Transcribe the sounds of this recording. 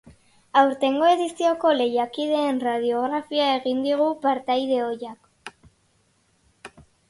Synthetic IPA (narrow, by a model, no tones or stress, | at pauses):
awɾt̪e̞ŋɡo̞e̞ðisio̞ko̞le̞jakiðe̞ːnraðio̞ɣ̞ɾafiae̞ɣind̪iɣ̞upaɾt̪ajðe̞o̞jak